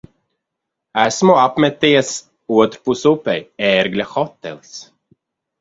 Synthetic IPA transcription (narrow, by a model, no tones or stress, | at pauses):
æsmoapmɛt̪ːiəs | uət̪ɾpusupɛjɛɾɡlʲaxɔt̪ːɛ̰ls